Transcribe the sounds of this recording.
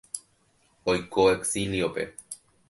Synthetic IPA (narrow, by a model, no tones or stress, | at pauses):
ojkoeksiliope̞̰